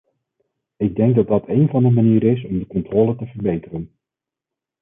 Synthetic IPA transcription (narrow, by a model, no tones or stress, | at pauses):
ɪɡ̚dɛŋɡ̚dɑd̚ɑtʰejnvɑndəmaniːɾɪsɔmdəkɔntroːlətəvərbejtərən